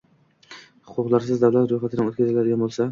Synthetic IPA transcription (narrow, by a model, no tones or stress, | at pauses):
hʊqʰʊqlˠaɾsɪzd̪avlat̪ɾojχat̪ʰɪnɪŋot̪kʲazɪlad̪ɪɡʲanbolˠsa